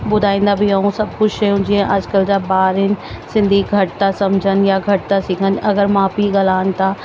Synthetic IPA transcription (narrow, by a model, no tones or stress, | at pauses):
ɓʊd̪ʱaːĩːn̆d̪abʱiɦaũsɐb̚ʱkʊd͡ʒʃɐjũd͡ʒiẽʔɐːd͡ʒkəld͡ʒabaːɾɪnɪ̆sɪ̃nd̪ʱiɡʱɐʈt̪asɐmd͡ʒʱənjaɡʱɐʈ̚t̪asiːkʰənɐɡəɾmaːpiɡɐlaːənt̪a